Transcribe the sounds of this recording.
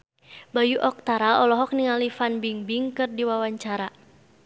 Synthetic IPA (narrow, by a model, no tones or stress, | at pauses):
bajuʔɔk̚t̪aɾaɔlɔɦɔk̚niŋalifanbiŋbiŋkɨrdiwawaɲt͡ʃaɾa